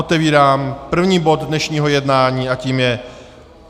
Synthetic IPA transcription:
ot̪ɛviːɾaːmpr̩vɲiːbo̞d̪dnɛʃɲiːɦo̞jɛdnaːɲiːaciːmjɛ

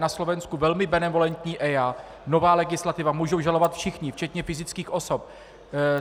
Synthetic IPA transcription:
naslo̞vɛnskuvɛlmɪbɛnɛvo̞lɛnt̪ɲiːʔɛjaː | no̞vaːlɛɡɪslat̪ɪvamuːʒowʒalo̞vat̪fʃɪxɲɪft͡ʃɛt̪ɲɛfɪzɪt͡skiːxʔo̞so̞p̚

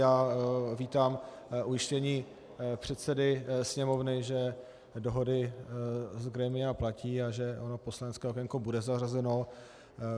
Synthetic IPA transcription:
jaːviːt̪aːm | ʔujɪʃcɛɲiː | pr̥ɛt̪sɛdɪsɲɛmo̞vnɪʒɛ | doɦo̞dɪ | zɡɾɛmɪjaplaciːaʒɛʔono̞poslanɛt͡skɛːɦokɛŋkubudɛzarazɛno̞

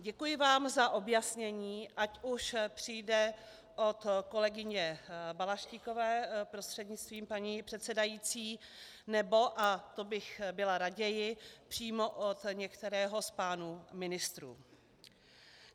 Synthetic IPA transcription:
ɟɛkujɪvaːmzaʔo̞bjasɲɛɲiːʔacuʃpr̝̥ɪjdɛ | ʔo̞t̪ko̞lɛɡɪɲɛbalaʃciko̞vɛːpɾost̪r̥ɛd̪ɲɪt͡st̪viːmpaɲiːpr̝̥ɛt̪sɛdajiːt͡siː | nɛbo̞ʔat̪o̞bɪxbɪlaɾaɟɛjɪpr̝̥iːmo̞ʔot̪ɲɛkt̪ɛɾɛːɦo̞spaːnumɪnɪst̪ɾṵː

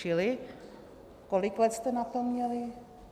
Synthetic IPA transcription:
ɪlɪ | kolɪklɛt̪st̪ɛnat̪omːɲɛlɪ

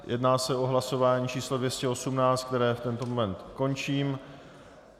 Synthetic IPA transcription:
jʔɛ̰dnaːsɛo̞ɦlaso̞vaːɲiːt͡ʃiːslodvjɛscɛo̞sumnaːt͡st̪k̚t̪ɛɾɛːft̪ɛnt̪o̞momɛnt̪ko̞nt͡ʃiːm

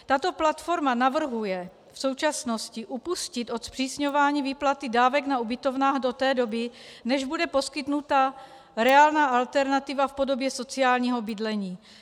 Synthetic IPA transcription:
t̪at̪o̞plat̪fo̞ɾmanavr̩ɦujɛ | fso̞wt͡ʃasno̞scɪʔupuscɪt̪ʔo̞t̪spr̥iːsɲo̞vaːɲiːviːplat̪ɪdaːvɛɡnaubɪt̪o̞vnaːɣdo̞t̪ɛːdo̞bɪnɛʒbudɛpo̞skɪt̪nut̪a | ɾɛaːlnaːʔalt̪ɛɾnat̪ɪvafpo̞do̞bjɛso̞t͡sɪaːlɲiːɦo̞bɪdlɛɲiː

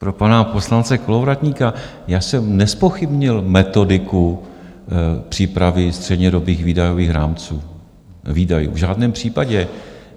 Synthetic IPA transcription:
pɾopanapo̞slant͡sɛkolovɾat̪ɲiːka | jaːsɛmnɛspoxɪbɲɪlmɛt̪o̞dɪku | pr̝̥iːpɾavɪst̪r̥ɛdɲɛdo̞biːxviːdajoviːxɾa̰ːmt͡suː | viːdajṵːvʒaːdnɛːmpr̝̥iːpaɟɛ

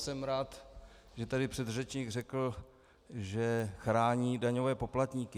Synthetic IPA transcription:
sɛmɾaːt̪ | ʒɛt̪adɪpr̝̥ɛd̪rɛt͡ʃɲiːɡrɛkl̩ | ʒɛxɾaːɲiːdaɲo̞vɛːpo̞plat̪ɲiːkɪ

